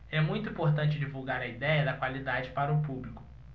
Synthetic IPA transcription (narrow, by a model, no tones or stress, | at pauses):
ɛmũj̃t̪ʊuĩpoɾt̪ɐ̃nt͡ʃɪd͡ʒivuwɡaɾɐid̪ɛjɐd̪ɐkwalid̪ad͡ʒɪpaɾɐʊpublikʊ̥